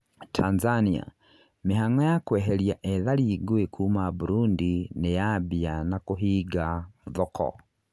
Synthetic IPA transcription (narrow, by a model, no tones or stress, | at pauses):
tʰanzania̰ | miɦaŋajakwɛɦɛljaʔɛðaliɡwekʰuːmabuɾundinejabjanakuɦiɡaðɔkʰɔ̰